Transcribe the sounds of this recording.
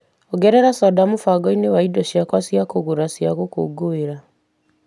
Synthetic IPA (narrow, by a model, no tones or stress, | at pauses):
ɔɡɛɾɛɾasɔdamufaɡɔinewaidɔʃiakwasijakoɣuɾasjaɣoko̰ɡoeɾa